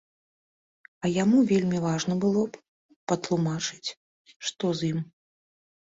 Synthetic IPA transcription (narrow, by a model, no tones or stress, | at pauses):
ɐjamuvʲelʲmʲivaʐnɐbɨlˠɔp | pɐt̪lˠumat͡ʂɨ̥t͡sʲ | ʂt̪ɔzim